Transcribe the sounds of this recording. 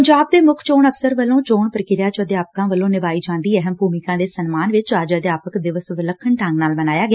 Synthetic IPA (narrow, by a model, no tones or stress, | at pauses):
əɲd͡ʒaːb̚d̪eːmʊkʰt͡ʃoːɳəfsəɾʋəlːõːt͡ʃoːɳpəɾəkɪɾjaːt͡ʃəəd̪jaːpkãːʋəlːõːnɪʋaːiːd͡ʒãːnd̪iːəɦəmbʱuːmɪkãːd̪eːsənmaːnʋɪt͡ʃaːd͡ʒəd̪jaːpəkd̪ɪʋəsʋɪləkʰːəɳʈãːŋɡnaːlbənaːjaːɡɪ